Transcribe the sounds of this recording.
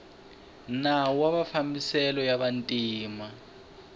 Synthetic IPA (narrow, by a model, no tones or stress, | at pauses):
nawaɓafambisɛlɔjaβantʼiːma